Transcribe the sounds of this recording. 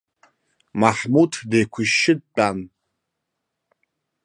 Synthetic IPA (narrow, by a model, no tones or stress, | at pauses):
maħmutʰdejkʷʰʊʃːɪd̚t͡pʼan